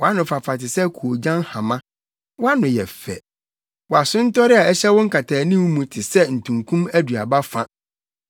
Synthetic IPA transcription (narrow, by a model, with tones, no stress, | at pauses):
wɔ˨a˦nʊ̃˨fa˨fa˨tɪ˨sɛ˦kʰu˨o˨d͡ʑã˦n˦hã˨mã˦ | wɔ˦a˦nʊ̃˨jɛ˨fɛ̰˨ | wa˨sʊ̃˦n̩˦tɔ˦ɾɪ˦a˨ɛ˦ɕɛ˦wʊ̃˦ŋ̩˦kʰa˨tʰaː˨nĩ˦wmũ˨tʰɪ˨sɛ˦n̩˨tʰũ˨ŋkʰũ˦mæ˦dɥa˨ba˦fã˦